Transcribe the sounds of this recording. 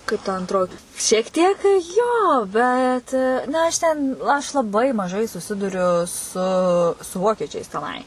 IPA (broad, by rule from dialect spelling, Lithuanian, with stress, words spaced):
kɐɪp tɐ ɐnˈtroːjɪ ʃʲiɛk ˈtʲiɛk ˈjoː ˈbʲɛt nɐ ˈɐʃ tʲɛn ɐʃ lˠɐˈbɐɪ mɐˈʒɐɪ sʊˈsʲɪdʊrʲʊ sʊ sʊ ˈʋoːkʲiɛt͡ʃʲɛɪs tʲɛˈnɐɪ